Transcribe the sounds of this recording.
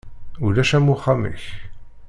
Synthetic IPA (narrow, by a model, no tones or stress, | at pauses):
ʊɾæʃæmuχæmḭç